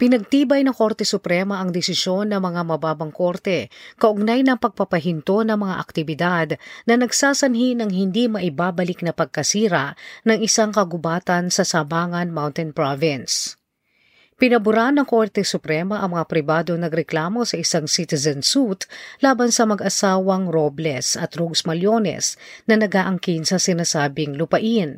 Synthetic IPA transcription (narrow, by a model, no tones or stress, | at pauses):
pɪnɐɡ̚t̪iːbɐjnɐŋko̞ɾt̪ɛsʊpɾɛmɐʔɐŋd̪ɛsɪsjo̞nːɐŋmɐŋamɐbaːbɐŋko̞ɾt̪ɛkɐʔʊɡ̚najnɐŋpɐɡ̚pɐpɐɦɪnt̪o̞nɐŋmɐŋa̰ʔɐ̰k̚t̪ɪbɪd̪ad̪nɐnɐɡsaːsɐnɦinɐŋɦɪnd̪imɐʔɪbabɐlɪk̚nɐpɐɡ̚kɐsiːɾɐʔnɐŋʔɪsaŋkɐɡʊbaːt̪ɐnsɐsɐmaːŋɐnmawnt̪ɛnpɹavɪns | pɪnɐbʊɾanːɐŋko̞ɾt̪ɛsʊpɾɛmɐʔɐŋmɐŋapɾɪbaːd̪o̞ŋnɐɡɾɛklaːmo̞sɐʔɪsaŋsit̪ɛzɐnsut̪laːbɐnsɐmɐɡɐsaːwɐŋɾoblɛsɐt̪ɾoɡsmɐljonɛ̰snɐnɐɡaːʔɐŋkinsɐsɪnaːsaːbɪŋlʊpɐʔin